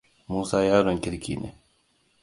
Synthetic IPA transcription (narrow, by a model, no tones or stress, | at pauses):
muːsaːjaːɾoŋkɪɾkḭːnḛ